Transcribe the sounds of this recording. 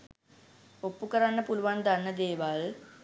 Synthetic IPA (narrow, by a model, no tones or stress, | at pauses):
opːukəɾanːəpuluʋand̪anːəd̪eːʋal